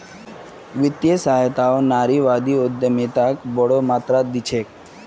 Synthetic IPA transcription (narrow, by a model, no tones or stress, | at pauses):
ʋɪt̪jesaːjət̪aonaːɾiʋaːd̪iʊd̪jəmet̪akbɔɽomaːt̪ɾad̪ɪt͡ʃʰeːk̚